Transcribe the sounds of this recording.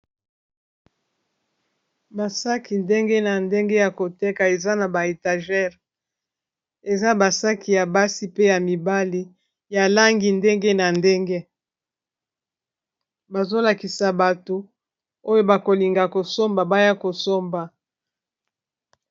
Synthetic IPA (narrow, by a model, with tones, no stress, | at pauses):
ba˨sa˦ki˨nde˦ŋɡe˦na˨nde˦ŋɡe˦ja˨ko˨te˦ka˨e˨za˦na˨ba˨e˨ta˨ʒɛ˦˨ʁ | e˨za˦ba˨sa˦ki˨ja˨ba˦si˦pe˦ja˨mi˨ba˦li˦ | ja˨la˦ŋɡi˨nde˦ŋɡe˦na˨nde˦ŋɡe˦ | ba˨zo˦la˨ki˨sa˨ba˨to˨ | o˦jo˦ba˨ko˨li˨ŋɡa˨ko˨so˦mba˨ba˦ja˦ko˨so˦mba˨